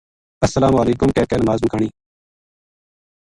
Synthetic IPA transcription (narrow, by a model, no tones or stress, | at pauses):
ɐsːəlaːmaːliːkʊmkeːkeːnɐmaːzmkʰəɳ̃iː